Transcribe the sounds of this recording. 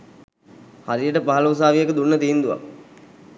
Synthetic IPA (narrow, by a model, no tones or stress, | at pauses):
haɾijəʈəpaɦalous̬aːʋijekəd̪unːət̪iːnd̪uʋa̰k